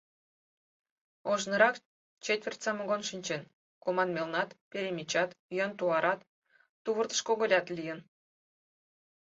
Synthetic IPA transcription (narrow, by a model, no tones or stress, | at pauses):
oʒnɤ̆ɾɑk | t͡ɕet̪ʲvʲerʲt̪ʲsɑmoɡonʃinʲt͡ɕen | komɑnmʲelnɑt̪pʲeɾʲemʲit͡ɕɑt̪jɑnt̪uɑɾʔɑt̪ː | uβə̆rt̪ə̥̆ʃkoɣolʲɑt̪lʲijə̆n